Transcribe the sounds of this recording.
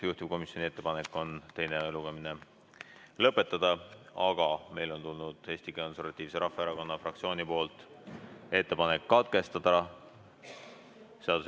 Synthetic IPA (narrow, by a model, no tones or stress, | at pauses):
juht̪ip̚ko̞misjo̞nie̞t̪ːe̞pɑne̞kːˑo̞nt̪e̞jne̞eluɡ̥ɑmine̞ | lɤpːˑe̞t̪ːˑɑd̪̥ɑɑɡ̥ɑme̞jlo̞nt̪ulnud̪̥he̞ːsʲt̪iko̞nse̞rvɑt̪ʲːˑiːvse̞ɾɑfːeeɾɑko̞nːɑfrɑkt̪sio̞ːnipo̞ːlt̪ˑ | e̞t̪ːe̞pɑne̞kːɑt̪̚ke̞st̪ɑd̪̥ɑ | se̞ɑd̪̥us